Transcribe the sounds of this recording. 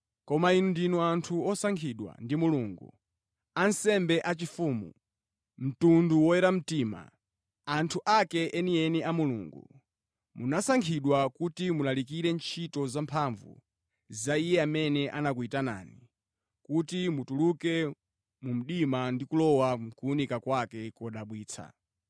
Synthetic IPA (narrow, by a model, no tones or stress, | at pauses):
kɔmainundinuantʰuɔsaŋkʰiɗwa̰ndimuluːŋɡṵ | ansɛmbɛʔat͡ʃifuːmṵ | m̩tunduwɔɛɾam̩tiːma̰ | antʰuʔakɛʔɛnijɛniamulṵːŋɡṵ | mṵnasaŋkʰiɗwakutimunalik̬iɾɛnt͡ʃʰitɔzampʰaɱvṵ | zaijɛamɛnɛʔanak̬uitana̰ːni | kutimutulukɛ | mum̩ɗimandikulɔwakuunikakwakɛkɔɗaɓwiːt͡sʰa̰